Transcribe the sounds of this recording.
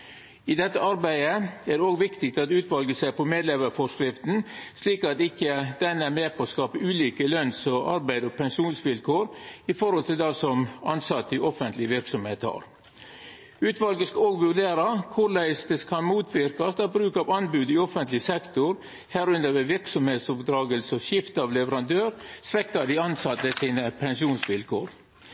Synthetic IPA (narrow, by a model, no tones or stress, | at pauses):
ɪd̪ɛt̪ːəɑɾbæɪəæːd̪ɛoːɡʋɪkt̪ɪk̚t̪ɑt̪ʉːt̪ʋɑlɡəsæɪpɔmeːd̪lɛʋəɾfɔʂkɾɪft̪n̩sliːkɑt̪ɪkːəd̪̥ɛnːæɾmeːpʰɔːskɑːpəʉːliːkəlœnsɔʔɑ̰ɾbæɪd̪ɔpʰɛŋʂuːnsʋɪlkʰoːɾɪfɔɾhɔlt̪ʰɪld̪ɑsɔmɑnsɑt̪ːəʔɔfənt̪lɪʋɪɾksɔmheːt̪hɑ̰ɾ | ʉːt̪ʋɑlɡəskɑoːɡʋʉɖeːɾɑkʰʊɾlæɪsd̪ɛskʰɑnmuːt̪ʰʋɪɾkɑsd̪ɑbɾʉːkɑːʋɑnbʉːd̪ɪɔfənt̪lɪsɛkt̪ʊɾ | hæːɾʉnd̪əʋɛʋɪɾksɔmheːt̪sɔpd̪ɾɑːɡəlsəɔʃɪft̪ɑʋlɛʋəɾɑnd̪øːɾsʋɛkt̪ɑd̪ɪɑnsɑt̪ːəsiːnəpʰɛŋʂuːnsʋɪlkʰo̰ːɾ